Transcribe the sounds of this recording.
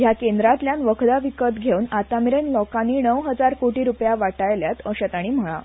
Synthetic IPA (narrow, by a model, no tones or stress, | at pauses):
jakend̪ɾat̪ljanʋəkʰd̪aʋikət̪ɡʱeunat̪amiɾenlɔkanːiːnəwɦəd͡zaɾkoʈiːɾupjaʋaʈajljat̪əɕət̪aɽ̃iːm̤əɭ̃a̰